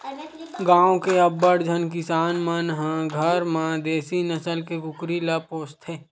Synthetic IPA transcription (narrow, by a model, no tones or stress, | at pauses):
ɡãːõkeɐbːəɽd͡ʒʱənkɪsaːnmənɦãɡʱəɾmad̪eːsinəsəlkekʊkɾilapoːst̪ʰeː